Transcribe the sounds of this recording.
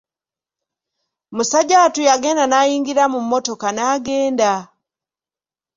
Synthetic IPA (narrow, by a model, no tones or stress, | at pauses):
musaɟatujaɡe̞ːndanaːjiːŋɡiɾamumːoto̞kanaːɡe̞ːnda